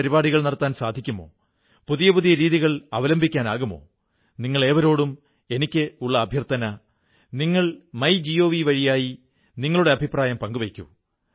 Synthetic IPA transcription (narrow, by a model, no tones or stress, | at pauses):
ɐɾibaːɽiɣɐɭnɐɽɐt̪ːaːnsaːd̪ʱikʲːumo̞̰ː | puðijɐpuðijɐɾiːðiɣɐɭɐʋɐlɐmbʱikʲːaːnaːɣumo̞̰ː | niŋːɐɭe̞ːʋɐɾo̞ːɽum | e̞nikʲːɨuɭːɐːbʱjɐrt̪ːɐnɐ | niŋːɐɭmɐjd͡ʑio̞ːʋiʋɐɻijaːji | niŋːɐɭuɽe̞ɐbʱipraːjɐmpɐŋɡuʋekʲːṵ